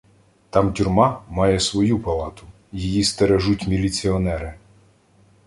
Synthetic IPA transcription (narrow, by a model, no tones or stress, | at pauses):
t̪ɑmtʲʊrmɑmɑjɛsʋɔjupɐlˠɑt̪ʊ | jijist̪eɾeʒutʲmʲilʲit͡sʲiɔnɛɾɪ